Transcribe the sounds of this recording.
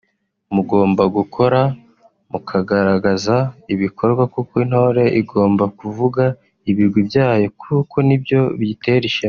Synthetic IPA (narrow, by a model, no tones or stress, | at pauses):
muɡo̞ːmbaɡukʰo̞ɾa | mukʰaɡaɾaɡazaiβikʰo̞ɾɡwakukoin̥ho̞ːɾe̞ʔiɡo̞ːmbakuvuɡa | iβiɾɡwibjaːjo̞kʰukʰo̞nibjo̞βiteɾiʃe